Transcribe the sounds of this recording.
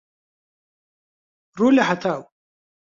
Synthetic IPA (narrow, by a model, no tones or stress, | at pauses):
rulʲaħat̪ʰaw